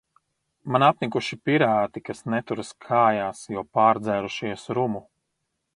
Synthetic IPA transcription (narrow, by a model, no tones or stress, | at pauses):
manapnʲikuʃipiɾaːt̪ikasnɛt̪uɾɨskʰaːjaːsjɔpaːɾd̪zɛːɾuʃiɛsɾumu